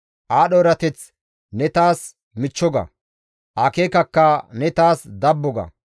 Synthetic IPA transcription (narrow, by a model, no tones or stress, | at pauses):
ʔaːɗoɾɐt̪ɛt͡s | nɛt̪aːs | mɪt͡ʃːɔɡɐ̰ | ʔaːkeːkɐkːɐnɛt̪aːsd̪ɐbːɔɡɐ̰